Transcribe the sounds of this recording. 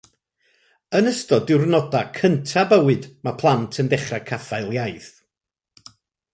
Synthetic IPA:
ənəstɔdɪwrnɔdakʰəntʰabəwɨdmapʰlˠantʰəndɛχrakʰafaɨlˠjajθ

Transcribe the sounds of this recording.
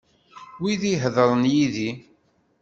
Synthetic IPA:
wiðiɦðəɾˤənjiði

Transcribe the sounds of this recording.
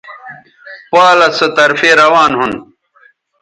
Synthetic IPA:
paːlɐsɐt̪ɐɾfeːɾɐwaːnɦun

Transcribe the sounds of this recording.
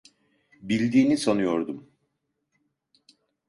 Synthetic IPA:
bilʲd̪iːnisanɯjo̞ɾd̪um

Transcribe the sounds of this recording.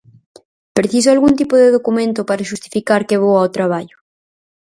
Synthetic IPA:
pɾeθisʊalɣunt̪ipʊðeðokumẽnt̪ʊpaɾaʃust̪i̥fikaɾkeβowawt̪ɾaβ̞aʎʊ

